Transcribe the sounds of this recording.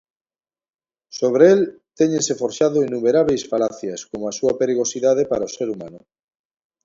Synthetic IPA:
soβ̞ɾeelt̪ɛɲẽnsefoɾʃaðoinumeɾaβejsfalaθjɐskomoasuɐpeɾiɣ̞osiðað̞epaɾaoseɾuma̰nʊ

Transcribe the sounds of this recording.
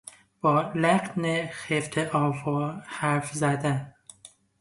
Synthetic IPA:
b̥ɒːlæɢnexeft̪ʰeʔɒːvɒːhæɾfzæd̪æn

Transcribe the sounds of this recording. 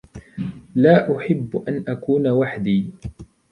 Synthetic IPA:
laːʔʊħɪbːʔanʔakuːnawaħd̪iː

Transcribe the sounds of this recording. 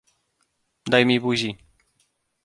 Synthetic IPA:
d̪ajmʲibuʑi

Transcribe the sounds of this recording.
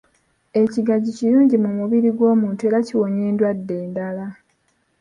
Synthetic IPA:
e̞ciɡaɟiciɾuːɲɟimumuβiɾiɡwo̞ːmuːnte̞ɾaciwo̞ɲe̞ːndwadːe̞ːndala

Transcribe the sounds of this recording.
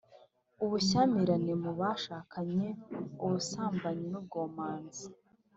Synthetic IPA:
uβuçaːmiɾanemuβaːʃaːkʰaɲe̞uβusaːmbaɲinub̚ɡoːmaːnzi

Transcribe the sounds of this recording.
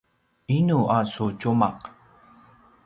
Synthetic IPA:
inuʔasut͡ɕuma̰q

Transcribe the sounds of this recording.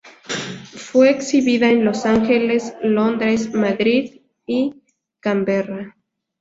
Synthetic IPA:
fweːksiβiðaenlosaŋxeleslond̪ɾesmaðɾið | i | kambera

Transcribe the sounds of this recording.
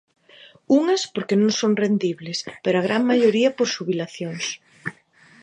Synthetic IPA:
uŋɐspoɾkenõŋsoŋrend̪iβlespeɾoaɣ̞ɾaŋmaʎoɾiɐpoɾʃuβilaθjoŋs

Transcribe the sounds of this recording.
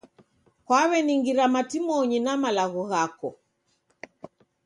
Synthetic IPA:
kwawɛniŋɡiɾamatimɔɲinamalaɣuɣakɔ

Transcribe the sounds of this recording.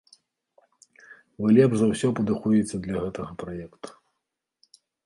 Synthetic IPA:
vɨlʲɛpʐzɐwsʲɔpɐd̪ɨxujɛt͡sʲːɐd̪lʲɐɣɛt̪ɐɣɐpɾajɛkt̪u̥

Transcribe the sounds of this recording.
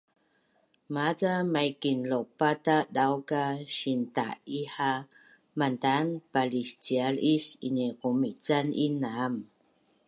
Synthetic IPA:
mat͡samajkinlopatadawkaɕinta̰iħa | mantanpalist͡ɕialiɕḭnikumit͡sanḭnam

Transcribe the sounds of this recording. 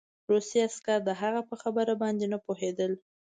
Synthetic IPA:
ɾusiaskaɾd̪əɦaɣapəxabəɾabɑnd̪enəpoɦed̪əl

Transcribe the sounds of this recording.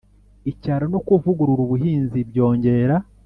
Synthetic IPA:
icaːɾonokuvuɡuɾuɾuβuɦiːnzibjo̞ːɲɟe̞ɾa

